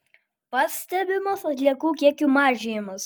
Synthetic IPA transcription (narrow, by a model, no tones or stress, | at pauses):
pɑːsʲt̪ʲɛbʲɪmɐsɐt̪ʲlʲiɛkuːkʲiɛkʲuːmɑːʒʲɪjɪmɐs